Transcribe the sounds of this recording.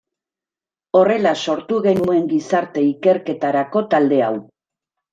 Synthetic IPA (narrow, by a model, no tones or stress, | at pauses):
o̞re̞laso̞ɾt̪uɣe̞nue̞ŋɡisaɾt̪e̞ike̞ɾke̞t̪aɾako̞t̪ald̪e̞aw